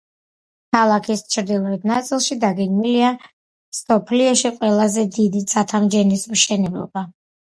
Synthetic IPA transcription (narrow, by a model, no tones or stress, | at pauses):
kʰalˠakʰist͡ʃʰɾd̪ilˠɔɛt̪̚nat̪sʼilˠʃid̪aɡɛɡnilia | sɔpʰliɔʃiqʼwɛlˠazɛd̪id̪it̪sʼat̪ʰamd͡ʒɛnismʃɛnɛblˠɔ̰ba